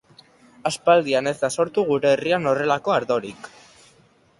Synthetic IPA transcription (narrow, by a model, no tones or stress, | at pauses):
aspald̪iane̞zd̪aso̞ɾt̪uɣ̞uɾe̞ːriano̞re̞lako̞aɾðo̞ɾik